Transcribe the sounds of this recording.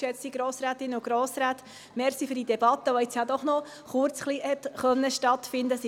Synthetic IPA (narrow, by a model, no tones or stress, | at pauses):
ɛt͡siɡ̥ɾoːsɾaːt̪ɪnːəʊɡɾoːsɾaːt̪ | mɛɾχsifyɾd̥id̪ɛbɑt̪ːəʋɔɛt͡sjɑd̪ɔχnɔ | χʊɾt͡sχlihɛt̪χœnːəʃtɑt̪fɪnd̪əsi